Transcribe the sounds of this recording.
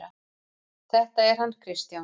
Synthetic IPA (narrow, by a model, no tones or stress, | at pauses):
a | θɛht̪aɛɾ̥ɦanːkʰɾɪst̪ja